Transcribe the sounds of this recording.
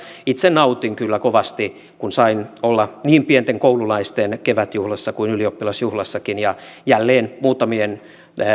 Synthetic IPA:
it̪senɑut̪iŋkylːækoʋɑst̪i | kunsɑinolːɑniːmpient̪eŋkoululɑist̪enkeʋæt̪juhlɑsːɑkuinyliopːilɑsjuhlɑsːɑkinjɑjælːeːnmuːt̪ɑmien

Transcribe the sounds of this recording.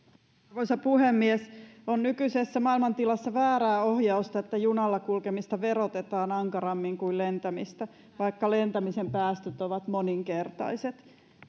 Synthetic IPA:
rʋoisɑpuhemːiesonnykyisesːæmɑilmɑnt̪ilɑsːɑʋæːɾæːohjɑust̪ɑet̪ːæjunɑlːɑkulkemist̪ɑʋeɾot̪et̪ɑːnɑŋkɑɾɑmːiŋkuilent̪æmist̪æ | ʋɑikːɑlent̪æmisempæːst̪øt̪oʋɑt̪moniŋkert̪ɑ̰iset̪

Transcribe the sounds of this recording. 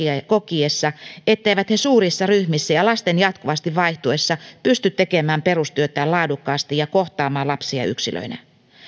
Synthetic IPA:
kokiesːɑet̪ːeiʋæt̪hesuːrisːɑryhmisːæjɑlɑst̪enjɑt̪kuʋɑst̪iʋʋɑiht̪uesːɑpyst̪yt̪t̪ekemæːmperust̪yøt̪æːlɑːdukːɑːst̪ijɑkoht̪ɑːmɑːlɑpsiɑ̰y̰ksilø̰inæ̰

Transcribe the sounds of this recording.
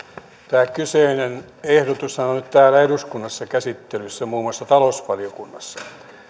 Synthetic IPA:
t̪æːkyseinen | ehdot̪ussɑnonyt̪t̪æːlæeɾuskunːɑsːɑkæsit̪ːelysːæmuːmoɑsːɑt̪ɑlosʋɑliokunːɑsːɑ̥

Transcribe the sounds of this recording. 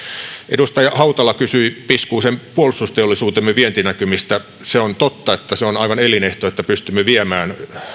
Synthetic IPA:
ʔedust̪ɑjɑhɑut̪ɑlːɑkysyipiskuːsempuolust̪ust̪eolːˑisuːt̪emːeʋient̪inækymist̪æ | seont̪ot̪ːɑet̪ːæseonɑiʋɑnelineht̪oet̪ːæpyst̪ymːeʋiæmæːn

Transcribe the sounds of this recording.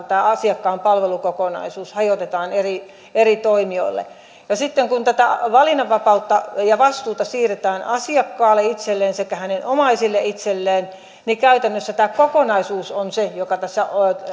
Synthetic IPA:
t̪æːɑsiɑkːɑːmpɑlʋelukokonɑ̰isuːshɑjot̪et̪ɑːneri | erit̪oimio̰ilːḛ | jɑsit̪ːeŋkunt̪æt̪æʋɑlinːɑʋʋɑpɑut̪ːɑjɑʋɑst̪uːt̪ɑsiːret̪æːnɑsiɑkːɑːlːeit̪selːeːnsekːæhænenʔomɑisilːeit̪selːeːn | nikæyt̪ænːøsːæt̪æːkokonɑisuːsonsejokɑt̪æsːæ

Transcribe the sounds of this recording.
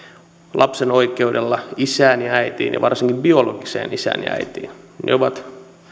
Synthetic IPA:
lʔɑpsenoikeudelːɑisæːnjɑæit̪ḭːnjɑ̰ʋʔɑrsiŋkimbioloɡisḛːnisæ̰ːnjɑ̰æ̰it̪ḭːnnḛoʋɑt̪

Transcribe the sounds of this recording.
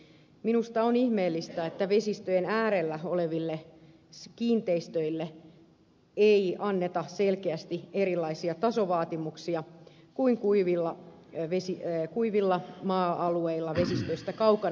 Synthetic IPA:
minust̪ɑonihmeːlːist̪æet̪ːæʋesist̪øjenæːɾelːæoleʋilːe | kiːnt̪eist̪øilːe | eiɑnːet̪ɑselkeæst̪ieɾilˑːɑisiɑt̪ɑsoʋɑːt̪imuksiɑ | kuiŋkuiʋilːɑ | ʋesikuiʋilːɑmɑːɑlueilːɑʋe̞sist̪øist̪ækɑukɑ

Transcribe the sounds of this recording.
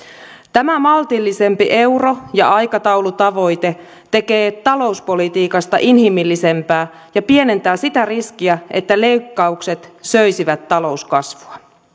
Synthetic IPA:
t̪æmæmɑlt̪ilːise̞mpiʔe̞uro̞jɑɑjkɑt̪ɑwlut̪ɑʋo̞jt̪e̞ | t̪e̞ke̞ːt̪ɑlo̞uspo̞lit̪iːkɑst̪ɑʔinɦimilːise̞mpæː | jɑpie̞ne̞nt̪æːsit̪æriskiæe̞t̪ːæle̞ykːɑukse̞t̪søjsiʋæt̪ːɑlo̞uskɑsʋuɑ

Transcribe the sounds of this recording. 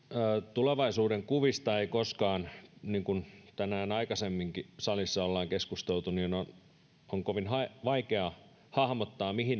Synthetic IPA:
t̪uleʋɑisuːdeŋkuʋist̪ɑeikoskɑːnniːŋkunt̪ænæːnɑikɑsemːiŋkisɑlisːɑolːɑːŋkeskust̪elt̪uniːnon | oŋkoʋinɦɑiʋɑikeɑ | hɑhmot̪ːɑːmihin

